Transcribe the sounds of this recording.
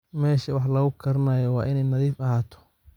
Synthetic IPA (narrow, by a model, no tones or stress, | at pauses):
mɛːʃɐwɑħlɐɣʊkʰɐɾɐnɐjɐwɑ̰ːʔɪnɛjnɐðiːfɐɦaːt̪ʰɔ̥